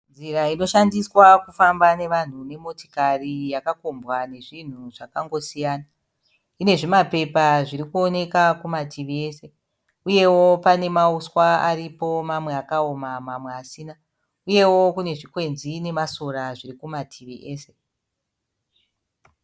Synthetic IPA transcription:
nd͡ziraino̞ʃandiswakufambane̞ʋan̤une̞mo̞ti̥karijakakombwane̞ʐin̤uʐ̥akaŋɡo̞sijaːna | ine̞ʐimape̞paʐiɾikuo̞ne̞kakumatʰiʋie̞ːse̞ | uje̞wo̞pane̞mauswaaripo̞mamwe̞akaomamamweasiːna | uje̞wo̞kune̞ʐikwe̞nzine̞masoɾaʐirikumatʰiʋiʔe̞ːse̞̥

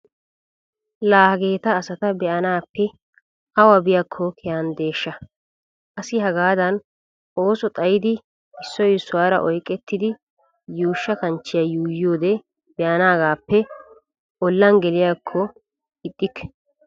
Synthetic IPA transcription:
laːhɐɡe̞ːt̪ɐːsɐt̪ɐbɛʔɐnaːpːɛ | ɐwɐbɪjakʰːɔkʰɛjand̪e̞ːʃːɐ | ʔɐsɪhɐɡaːd̪ɐn | ʔo̞ːsɔt̪ʼɐjɪd̪ɪ | ɪsːɔjɪsːʊwaːɾɐ̰ʔɔjkʼːɛt̪ːɪd̪ɪ | juːʃːɐkɐnt͡ʃːɪjɐjuːjo̞ːd̪ɛ | bɛʔɐnaːɡaːpːɛ | ɔlːɐnɡɛlɪjakʰːɔ | ɪt̪ʼːɪkːɛ̥

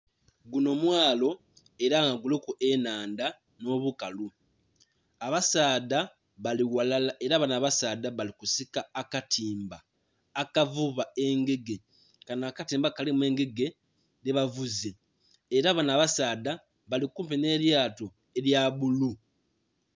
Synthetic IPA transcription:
ɡuno̞mwaːlo̞ | e̞ɾaŋɡaɡulekuʔenaːnda | no̞ːβukalu | aβasaːda | aiwalalaeɾaβanaβasaːdaβalikusikaːkatʰiːmbaː | kavuβae̞ŋɡe̞ɡe̞ | kanaːkatiːmbakalimwe̞ːŋɡe̞ɡe̞ | ðeβavuzeː | ɾaβanaːβasaːda | βalikuːmpene̞ɾjaːto̞ | e̞ɾjaβulu

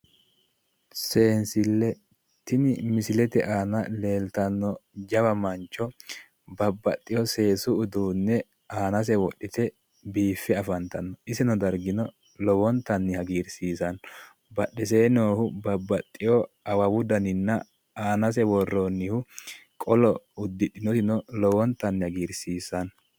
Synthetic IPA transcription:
se̞ːnsɪlːɛ | t̪ɪnɪmɪsɪlɛt̪ɛʔaːnɐle̞ːlt̪ɐnːɔd͡ʒɐbɐmɐnt͡ʃːɔ | bɐbːɐt̪ʼːɪjɔse̞ːsʊʊd̪uːnːɛ | aːnɐs̬ɛwɔɗːɪt̪ɛ | biːfːɛɐfɐnt̪ɐnːɔʔɪsɛnɔd̪ɐɾɡɪnɔ | lɔwɔnt̪ːɐnːɪhɐɡiːɾsiːsɐn | bɐɗːɪseːnoːhʊbɐbːɐt̪ʼːɪjɔɐwɐwʊd̪ɐnɪnːɐ | aːnɐs̬ɛwɔrːonːɪhʊkʼɔlɔʊd̪ːɪɗɪnɔt̪ɪnɔlɔwɔnt̪ːɐnːɪhɐɡiːɾsiːsɐn

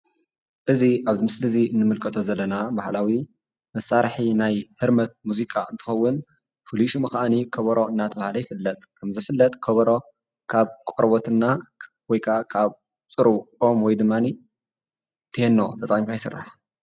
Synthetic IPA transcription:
ʔɨziʔaβzɨmɨslɨziɨnːɨmɨlkʰʼɐt̪ʼozɐlːɐnabahlawi | mɐsaɾħinajhɨɾmɐt̪̚muzikʼaɨnt̪ʰɨ̥xɐwːʊn | fuliʃumɐxʔanikʰɐβɐɾo̞ɨnːat̪ʰbahlɐjfɨlːɐt̪ʼkʰɐmzɨfɨlːɐt̪ʼkʰɐβɐɾo̞ | kʰaβkʼɔɾbot̪ɨnːa | wɔjkʰakʰaβ | t͡sʼɨɾuʔomwɔjd̪ɨmːani | t̪ʰɨhenːo̞̰t̪ʰʼɐt̪ʼɐimkʰajɪsɨ̰rːa̰ħ

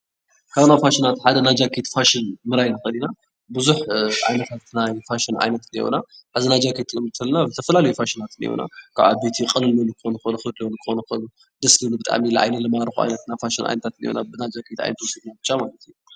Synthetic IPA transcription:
kʰaβnafaʃinat̪ħad̪ɐnad͡ʒakʰit̪faʃɪnmɨɾajnaxɐlina | bɨzuħʔa̰jnɐt̪ʰat̪najfaʃina̰jnɐt̪nḭwṵnaħazinad͡ʒakʰet̪ʰɨmɨt̪ʰːɐlnazɨt̪ʰɐfɐlalɐjufaʃinat̪nḭwṵna̰kʰa̰βa̰bet̪ʰiqʼɨlɨlonɨkɨxonɨkonɨxɨd̪lonɨkʰɨ̥xonɐxɐnu | d̪ɐslinubɨt̪ʼa̰milɐʔa̰jnɐlɨmaɾɨxua̰jnɐt̪nafaʃinʔa̰jnɐt̪ʰat̪nj̰o̰nabɨnad͡ʒakʰit̪a̰jnɐt̪wɔsɨɡ̪nabɨt͡ʃːamalɐt̪ʰju

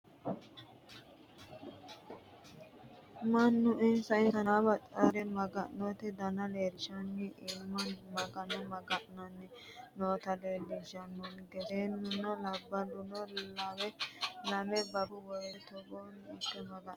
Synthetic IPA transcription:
mɐnːʊɪnsɐɪnsɐabɐt͡sʼɐɾɛmɐɡɐʔnot̪ɛd̪ɐnɐleːɾɪʃɐnːɛʔɪmːɐnmɐɡɐnɐmɐɡɐʔnɐnːɛ | noːt̪ɐlelɪd͡ʒɐnːɔnɡɛd̪eːnːʊnɔlɐbːɐlʊnɔllɐwɛlɐmɛbɐbʊwɔjt̪ɔbonɪkːɐmɐɡɐ

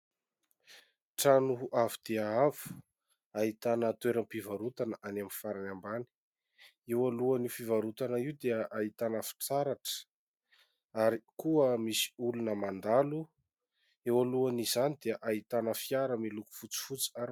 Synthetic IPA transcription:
ʈ͡ʂanuʔavid̪̥eaavu̥ | aɦit̪anət̪weɾəmpivaɾut̪anəʔanamifaɾanambani̥ | ewaluanifivaɾut̪anəiwd̪eəʔait̪anəfi̥t͡saɾaʈ͡ʂə̥ | aɾikuəmisi̥ulunəmand̪alu | ewaluanizanid̪eəʔaɦit̪anəfiaɾəmiluku̥fut͡si̥fut͡si̥aɾ

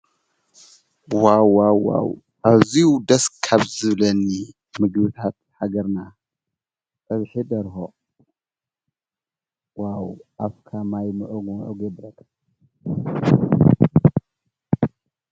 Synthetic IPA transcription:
wawːawːa̰w | ʔaβziud̪ɐskʰaβzɨβlɐni | mɨɡβɨt̪ʰat̪̚ħaɡɐɾna | t̪ʼɐβħid̪ɐɾxo | wawʔafkʰamajmɨʔoɡmʔoɡɛd̪ːɐkʰ

